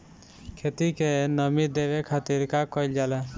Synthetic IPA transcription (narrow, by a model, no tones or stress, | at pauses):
kʰet̪ikenɔmid̪ebekʰat̪iɾkakɔjld͡ʒala